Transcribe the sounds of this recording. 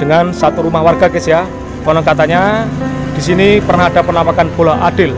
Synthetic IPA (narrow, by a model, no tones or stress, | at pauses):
dəŋansat̪uɾumahwarɡa̤kesija | kɔnɔkat̪aɲad̥isinipərnaɦad̥apənapakanb̥olaʔad̥ɪl